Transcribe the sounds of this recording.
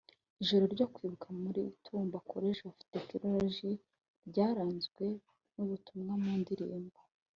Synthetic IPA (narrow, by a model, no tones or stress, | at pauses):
iʒo̞ɾo̞ɾɟo̞kwiːβukʰamuɾitʰuːmbakʰo̞ɾeʒaufi̥tekiɾoɾʒi | ɾɟaːɾaːnzɡwe̞ | nuβutumŋamuːndiɾḭːmbo